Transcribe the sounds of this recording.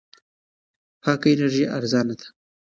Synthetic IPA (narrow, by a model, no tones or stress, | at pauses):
pʰɑːkaenaɾʒiʔaɾzɑːnad̪ḁ